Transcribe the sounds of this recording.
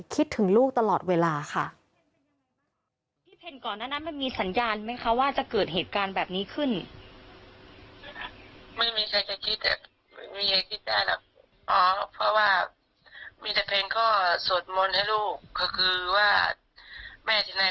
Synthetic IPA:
kʰi˦˥t̪ʰːɯ˩˦ŋluː˥˩k̚t̪a˧lɔː˨˩t̪̚weː˧laː˧xʰa̰˥˩ | t̪ʰiː˥˩pʰe˧nkɔː˨˩nːaː˥˩na˦˥nma˧nmiː˧sa˩˦njaː˧nma˦˥˨kʰa˧˥˩waː˥˩t͡ɕa˨˩kɤː˨˩t̪̚ɦeː˨˩t̪̚kaː˧nbɛː˨˩p̚niː˦˥kʰɯ˥˩n | mɯ˧˥˩miː˧kʰa˧jt͡ɕa˨˧˩kʰi˦˥t̪̚ːɛ̰˨˩˧ | miː˧ka˧˩kʰi˦˥t̪̚daː˥˩jla̰˧˩k̚ | ʔɔː˨˦pʰɔ˧˥waː˥˩ | miː˧t̪a˧˩pʰe˧nkɔː˥˩su˨˩ət̪̚mo˧nha˥˩jluː˥˩kʰːɔː˥˩kʰɯː˧waː˥˩ | mɛː˧˩t̪ʰiː˧˩na˧

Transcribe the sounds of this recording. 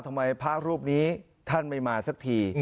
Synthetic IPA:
t̪ʰa˧ma˧jpʰaː˦˥˩k̚ɾuː˥˩p̚niː˦˥ | t̪ʰa˥˩nma˥˩jmaː˧sa˦˥k̚t̪ʰiː˧

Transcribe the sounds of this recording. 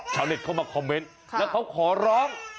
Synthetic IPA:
t͡ɕʰaː˨˦wne˨˩t̚kʰa˧˩wmaː˧˩kʰɔ˧mːe˦˥n | ɛː˨˦˥kʰa˦˥wkʰɔː˨˩˦ɾɔː˦˥ŋ

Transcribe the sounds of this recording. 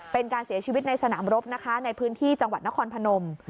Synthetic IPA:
pe˧nkaː˧nsi˨˩˦t͡ɕʰiː˧wi˦t̪̚na˧jsa˧naː˩˦mɾo˦˥p̚na˦˥kʰa˦˥na˧jpʰɯː˦˥nt̪ʰiː˥˩t͡ɕa˧ŋwa˨˩t̪̚na˦˥kʰɔː˧npʰa˧no˧m

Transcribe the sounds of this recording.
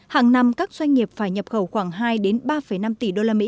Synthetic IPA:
haː˨˩ŋna˧mkaː˦˥k̚zwa˧jŋ̟ŋi˨˩əp̚faː˧˩jɲə˨˩p̚xə˧˩wxwaː˧˩ŋɦaː˧jɗe˨˦nɓaː˧fə˧˩jna˧mt̪i˧˩ɗo˧laː˧mḭ˧˥

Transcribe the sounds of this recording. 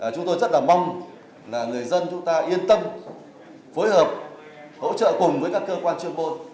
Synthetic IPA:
ʔaː˨˩t͡ɕʊ˨˦ŋ͡mt̪o˧jzə˦˥t̚laː˨˩ma˧wŋ͡m | laː˨˩ŋɨ˨˩əjzə˧nt͡ɕʊ˨˦ŋ͡mt̪aː˧ʔi˧ənt̪ə˧m | fo˨˦jhəː˨˩p̚ | ho̰˧˥t͡ɕə̰ː˧˨kʊ˨˩ŋ͡mvəː˨˦jkaː˦˥kːəː˧kwaː˧nt͡ɕɨ˧əŋɓo˧n

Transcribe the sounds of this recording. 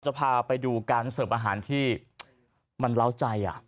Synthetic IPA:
t͡ɕa˨˩pʰaː˧pa˧jduː˧kaː˧nsɤː˨˩mʔaː˧ɦaː˩˦nt̪ʰiː˥˩ | ma˧nla˥˩wt͡ɕa˧jʔa̰˨˩ʔ

